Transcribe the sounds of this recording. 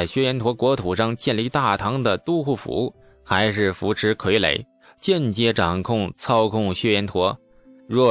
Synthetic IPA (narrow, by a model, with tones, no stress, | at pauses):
ɪɕɥɛ˥jɛ˧˥nt̪ʰwɔ˧˥kwɔ˧˥t̪ʰu˨˩ʂɑ˥˧ŋt͡ɕjɛ˥˧nli˥˧t̪a˥˩t̪ʰɑ˧˥ŋd̪ə˨t̪u˥xu˥˩fṵ˧˥˩ | xa˧˥ɪʂɻ̩˥˩fu˧˥ʈ͡ʂʰɻ̩˧˥kʰwe˧˥ɪlḛ˧˩˦ɪ | t͡ɕjɛ˥˩nt͡ɕjɛ˥ʈ͡ʂɑ˨˩ŋkʰʊ˥˩ŋt͡sʰɑ˥ʊkʰʊ˥˩ŋɕɥɛ˥jɛ˧˥nt̪ʰwɔ˧˥ | ɻwɔ˥˩